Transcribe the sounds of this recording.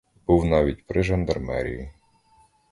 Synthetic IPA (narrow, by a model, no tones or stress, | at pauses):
b̥uwnɑʋʲit̚ʲpɾɪʒɐnd̪ɐrmɛ̰ɾʲḭji